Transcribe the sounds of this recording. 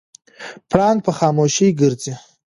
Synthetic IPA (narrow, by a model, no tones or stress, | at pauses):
pʰranpʰaχamoʃijɡɨrt͡sʼi